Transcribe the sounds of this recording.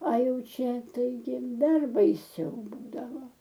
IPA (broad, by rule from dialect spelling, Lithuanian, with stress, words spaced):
ɐ ˈjɛʊ ˈt͡ʃʲɛ tɐɪˈɡʲɪ ˈdɐr bɐɪˈsʲɛʊ ˈbuːdɐʋoː